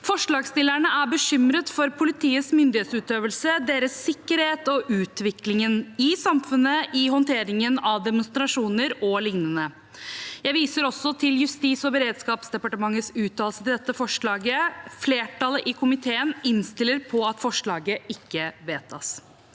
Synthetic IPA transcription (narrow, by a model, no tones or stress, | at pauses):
fɔʂɭɑːɡst̪ɪlːæɳəæbəɕʏmɾət̪fɔɾpʰʊlɪt̪ʰiːəsmʏnd̪ɪheːt̪sʉːt̪øːʋəlsəd̪eːɾəsːɪkːəɾheːt̪ɔʔʉːt̪ʋɪklɪŋənɪsɑmfʉnəʔɪɦɔnt̪ʰeːɾɪŋənɑʋd̪ɛmʊnst̪ɾɑʂuːnəɾɔlɪŋnənə | jæɪʋiːsəɾɔsːɔt̪ʰɪljʉst̪iːsɔbəɾeːd̪skɑːpsd̪ɛpɑʈəmɑŋːəsʉːt̪ʰːɑːlsət̪ɪld̪ɛt̪ːəfɔʂɭɑːɡəfleːʈʰɑləʔɪkʰʊmɪt̪ʰeːənɪnst̪ɪlːəɾpʰɔɑt̪fɔʂɭɑːɡəɪkːəʋeːt̪ʰɑs